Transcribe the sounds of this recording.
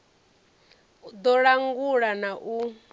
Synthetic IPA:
d̪ɔɺaŋɡuɺanaʔu

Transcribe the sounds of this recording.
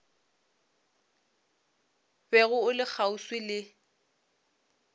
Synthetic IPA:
bɛɣʊʊlɪk͡xʰauswɪlɪ

